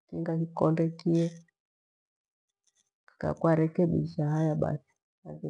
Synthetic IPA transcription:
kiŋɡakikɔndɛkiɛ | ka̰kuaɾɛkɛɓḭʃahajaɓa̰si̥ | aki

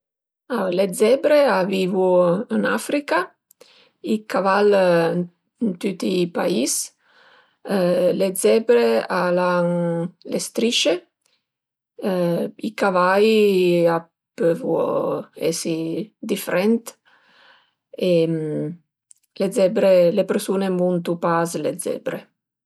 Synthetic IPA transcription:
aled̪zɛbɾeavivuənafɾika | ikaval | nt̪ut̪ipais | ledzɛbɾeala | lest̪ɾit͡ʃe | ikavaja | pøvu | ɛ̰sid̪ifeɾɛnt̪ | em | led̪zɛbɾelepeɾsunemunt̪upazlḛzɛ̰bɾe

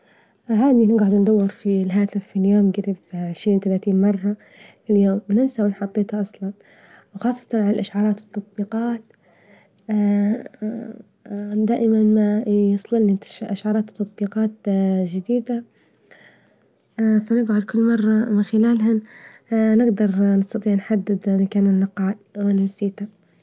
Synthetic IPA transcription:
haːd̪inɪɡʕʊd̪nd̪awːɪɾfilɦaːt̪ɪfːiljoːmɡɪɾɪbʕɪʃɾiːnt̪alaːt̪iːnmɑrˤːɑ | fɪljoːmnɪmsawɪnħɑt̪ˤːeːt̪hɑʔɑsˤlɑn | wxɑːsˤːɑ̥t̪ɑnʕalalʔaʃʕɑːɾˤɑːt̪wɨt̪ˤːɑt̪̚ˤbiːqɑːt̪ | d̪aːʔɪmanmajʊsˤlɪlnːit̪ʔaʃʕɑːɾˤɑːt̪t̪ːɑt̪ˤbiːqɑːt̪d͡ʒɪd̪iːd̪a | fanɪɡʕʊd̪̚kʊlːmɑrˤːɑmɪnxɪlaːlɦa | nɪɡd̪ɑɾˤnɪst̪ɑt̪ˤiːʕnħad̪ːɪd̪makaːnɪnːɪqɑːlwɪnɪmsiːt̪a

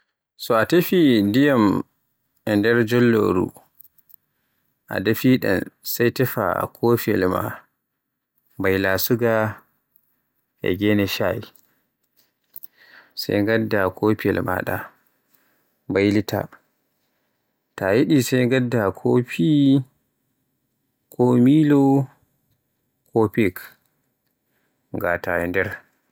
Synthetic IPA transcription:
sɔatefidijam | ɛndɛɾd͡ʒɔlːo̰ɾṵ | ʔa̰dafiɗɛ̰nsajtɛfa̰kʰoːfiɛ̰lma̰ | bajlasuɡa | ʔɛ̰ɡɛnɛʃaji | sa̰jŋɡadːakʰopiɛlma̰ɗa̰ | mbajlitʰa̰ | tajiɗisajŋɡadːakʰopʰi | kʰɔmilɔ | kʰopik | ŋɡatajɛndɛɾ

